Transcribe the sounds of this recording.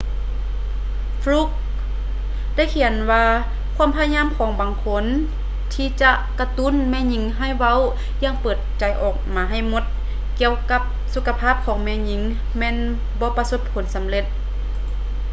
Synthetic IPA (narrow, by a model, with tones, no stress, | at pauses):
fluː˧˥˦k̚ | da˥˨jkʰi˧˩ənwaː˧ | kʰu˧˥ə˨mpʰa˧ɲaː˧˥˨mkʰɔː˩˦ŋbaː˨ŋkʰo˧˥n | t̪ʰiː˧˩t͡ɕa˧ʔka˧t̪u˧˥˨nmɛː˧˨ɲi˧˦ŋɦa˧˥˩jwa˧˥˨w | jaː˧˥˨ŋpɤː˨˩t̪̚t͡ɕa˨˦jʔɔː˨˩k̚maː˨˦ɦa˧˩jmo˧˦t̪̚ | ki˧əwka˧p̚ | su˧kʰːa˧pʰaː˥˩˨p̚kʰɔː˩˦ŋmɛː˧˥ɲi˧˦ŋ | mɛː˧˥˨n | bɔː˧˦pa˧so˧˥p̚kʰo˨˩˦nsa˨˦mle˧t̪̚